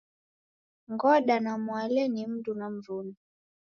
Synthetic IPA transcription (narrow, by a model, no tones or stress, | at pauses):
ŋɡɔɗanamwalɛnim̩dunam̩vuni